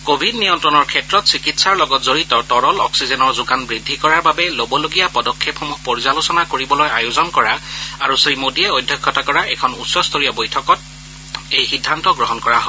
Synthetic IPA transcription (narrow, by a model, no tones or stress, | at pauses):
kobʱidnijɔntɹɔnɔɹkʰɛtɹɔtsikitsaɹlɔɡɔtzoɹitɔtɔɹɔlɔksizɛnɔɹzʊɡanbɹidʱːikɔɹaɹbabɛlobɔloɡijapɔdɔkʰːepxɔmuhpoɹizalusɔnakoɹibɔlojajozɔnkɔɹaaɹusɹimodiɛojdʱːjɔkʰːɔtakɔɹaʔɛkʰɔnutsɔstʰoɹijɔbojtʰɔkɔt̚ | ejxidʱːantɔɡɹɔɦɔnkɔɹaɦɔ